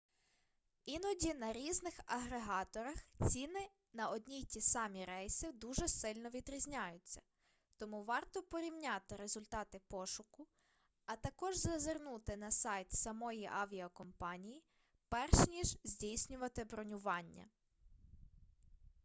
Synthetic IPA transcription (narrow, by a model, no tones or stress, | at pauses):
inɔdʲinɐɾʲiznɪxɐɦɾeɦɑt̪ɔɾɐxt͡sʲinɪ | nɐɔd̪ʲnʲijtʲisɑmʲiɾɛjsid̪uʒɛsɪlʲnɔʋʲid̪ɾʲizʲnʲajʊt͡sʲːɐ̥ | t̪ɔmuʋɑrt̪ɔpɔɾʲiwnʲat̪ɪɾezʊlʲt̪ɑt̪ɪpɔʃʊkʊ | ɐt̪ɐkɔʒzɐzernut̪ɪnɐsɑjt̪sɐmɔjiʔɑʋʲiɐkɔmpɑnʲiji | pɛrʃnʲiʒzʲdʲijsʲnʲʊʋɐt̪ɪbɾɔnʲʊʋɑnʲːɐ̰